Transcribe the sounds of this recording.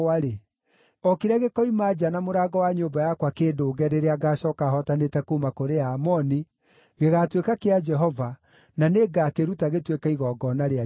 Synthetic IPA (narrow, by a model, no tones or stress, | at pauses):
aɾe | ɔkiɾɛɣekɔimad͡ʒanamoɾaːɡɔwaɲoːbajakwakeːdoːɡɛɾeɾeaɡaːɕɔkaɦɔtanetɛkomakoɾeaːmɔni | ɣeɣatwekakead͡ʒɛɦɔva | naneɡakeɾutaɣetwekaiɣɔɡɔnaɾea